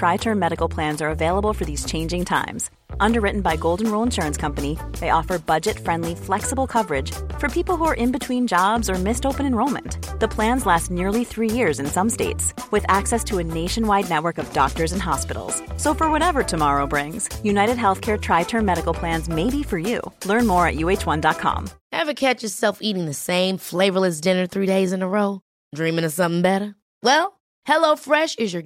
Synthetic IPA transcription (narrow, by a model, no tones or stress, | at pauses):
tʰɹ̥aɪtʰɜ̃˞mɛɾɨkl̩ˠpʰl̥æ̃nzə˞ɨveɪlˠəbl̩ˠfə˞ðiz̥t͡ʃʰẽɪ̃nd͡ʒɪ̃ŋtʰã̰ɪ̃mz̥ | ʔʌ̃ndə˞ɹɪʔn̩baɪɡoʊlˠdⁿn̩ɹoʊlˠə̃nʃʊɹɨ̃nskʰʌ̃mpɨniðeɪʔɔfə˞bʌd͡ʒɨtfɹɛ̃ndˡliflɛksəbl̩ˠkʰʌvə˞ɪd̥ʒ̥fə˞pʰipl̩ˠɦuə˞ʔɨ̃nbɨtʰw̥ĩnd͡ʒɑbzə˞mɪstoʊpɨ̃nɨ̃nɹõʊlˠmɨ̰̃nðəpʰl̥æ̃nzlæstⁿnɪɹlˠiθɹijɪɹzɨ̃nsʌ̃msteɪtswɨðæksɛstʰəɨneɪʃɨ̃nwaɪdⁿnɛt̚wə˞kʌvdɑ̰k̚tə˞zɨ̃nɦɑspɪ̰ɾl̩ˠz̥soʊfə˞wʌɾɛvə˞tʰɨmɑɹoʊbɹɪ̃ŋz̥jʉnaɪɾɨd̚ɦɛlˠθkʰɛɹtʰɹ̥aɪtʰɜ̃˞mɛɾɨkl̩ˠpʰl̥æ̃nzmeɪbifə˞jʉ̰lɜ̃˞nmɔɹɨ̰ʔ̚jʉeɪt͡ʃwʌ̃ndɑt̚kʰɑ̰̃mhɨvɨkʰɛt͡ʃə˞sɛlˠfiɾɪ̃ŋðɨsẽɪ̃ɱfleɪvə˞lˠɨs̬d̥ɪ̃nə˞θɹideɪzɨ̃nəɹoʊ | dɹĩmɪ̃ŋɨsʌ̃mθɪ̃ŋbɛɾə˞ | wɛlˠ | hɛloʊfɹɛʃɨzjə˞